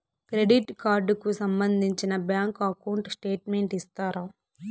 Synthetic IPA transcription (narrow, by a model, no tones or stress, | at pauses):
kɾe̞ɖiʈkaːɾɖkusɐmbɐnd̪ʱiɲt͡ʃinɐbjaːŋkɐkɐwɳʈsʈe̞ːʈme̞ɳʈist̪aːɾaː